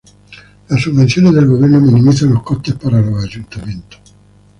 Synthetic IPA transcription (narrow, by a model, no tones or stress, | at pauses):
lasuvːent̪sjoːned̪elɡovɛrnominimit̪zanokɔt̪ːepːaɾaload͡ʒunt̪ament̪o̥